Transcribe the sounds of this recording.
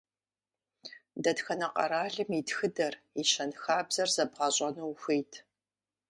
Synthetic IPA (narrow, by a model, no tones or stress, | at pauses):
dɐtxɐnɐqɐ̰ɾaːɮɨmitxɨdɐr | iʃɐnxaːbzɐrzɐbʁɐɕʼɐnuwxʷeːjtʰ